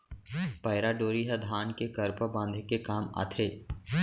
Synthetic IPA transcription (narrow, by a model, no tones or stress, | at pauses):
pɐɪɾaɖoːɾiɦɛd̪ʱaːnkekɐɾpəbãːnd̪ʱekekaːma̰t̪ʰeː